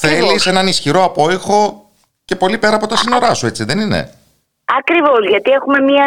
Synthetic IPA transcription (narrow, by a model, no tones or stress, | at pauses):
θe̞lise̞nɐnisçiɾo̞ɐpo̞ixo̞ | ce̞po̞lipe̞ɾɐːpo̞t̪ɐsino̞ɾɐsue̞t͡siðe̞ninḛ | ɐkɾivo̞zʝɐt̪ie̞xume̞mɐ